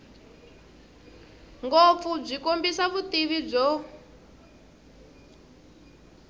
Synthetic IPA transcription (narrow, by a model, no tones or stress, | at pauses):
ŋɡop̪fub͡ʐʷikombisaβutiβib͡ʐɔ